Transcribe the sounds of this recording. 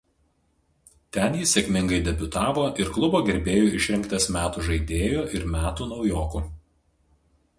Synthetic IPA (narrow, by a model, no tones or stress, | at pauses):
t̪ʲɛnjɪsʲɛkʲmʲɪŋɡɐɪd̪ʲɛbʲʊt̪ɑːʋoːʔɪɾklˠʊboːɡʲɛɾʲbʲeːjoːɪʃʲɾʲɪŋˑkt̪ɐsmʲæːt̪uːʒɐɪd̪ʲeːjoːʔɪɾmʲæːt̪uːnɒʊjoːkuː